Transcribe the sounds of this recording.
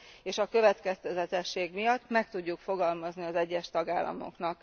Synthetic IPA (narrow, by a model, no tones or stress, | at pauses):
eːʃɒkø̞vɛt̪kɛst̪ɛzɛt̪ɛʃːeːɡmijɒt̪ːmɛk̚t̪uɟːukfo̞ɡɒlmɒzniɒzɛɟːɛʃt̪ɒɡaːlːɒ̰mo̞̰knɒk